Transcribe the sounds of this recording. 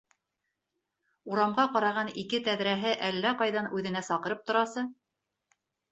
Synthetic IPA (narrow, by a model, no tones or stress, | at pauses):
uɾɑmʁɑqɑɾɑʁɑnikɘt̪æðɾæɦɘʔælːæqɑjðɑnʉðɘ̆næsɑqɤ̆ɾɤp̚t̪ŏɾɑsɤ